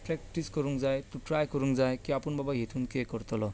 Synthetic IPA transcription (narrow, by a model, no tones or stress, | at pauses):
pɾek̚ʈiskɔɾuŋd͡zajt̪uʈɾajkɔɾuŋd͡zajkiapunbabaɦetʰuŋkekɔɾt̪ɔlɔ